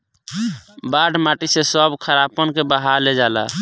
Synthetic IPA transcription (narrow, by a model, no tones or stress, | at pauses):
baɖmaʈisesəbkʰəɾapənkebəɦaɾled͡ʒala̰